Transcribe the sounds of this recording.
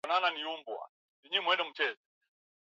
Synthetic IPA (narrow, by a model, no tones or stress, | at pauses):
nananiumbwa̰ | niɲɛmwɛndɛm̩t͡ʃɛzɛ